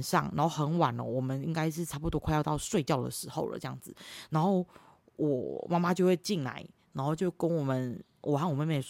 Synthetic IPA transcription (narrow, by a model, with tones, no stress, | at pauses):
ʂɑ̰˥˩ŋna˧˥nxo˥˩ʊxə˧˥nwa˨˩nə̰˦wɔ˨˩mə˦ni˥ŋka˥ɪʂ̬ɻ̩˥˩ʈ͡ʂʰa˥p̬u˧t̪wɔ˥kʰa˥˧jɑ˥˧t̪ɑ˥˧ʊʂwe˥˧ɪt͡ɕjɑ˥˨˩ʊd̪ə̰˨˩ʂɻ̩˧˥xo˥˩ʊlə̰˨˩ʈ͡ʂɤ˥jɑ˥˨ŋd͡zɹ̩˨˩na˧˥nxo˥˩ʊ | wʔɔ˨˩ma˥ma˦t͡ɕjo˥˧ʊxwe˥˧ɪt͡ɕi˥˩nla̰˧˥˦ɪnna˨˧˥nxo˥˧ʊt͡ɕjo˥˩ʊkə˦nwɔ˨˩mə˨˦n | wʔɔ˨˩xa˥˩wɔ˨˩me˥˧me˥˩